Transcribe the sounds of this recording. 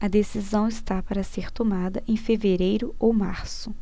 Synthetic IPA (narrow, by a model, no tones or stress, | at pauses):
ɐd̪esizɐ̃w̃ɪst̪apaɾɐseɾt̪omad̪ɐʔẽj̃feveɾejɾʊowmaɾsʊ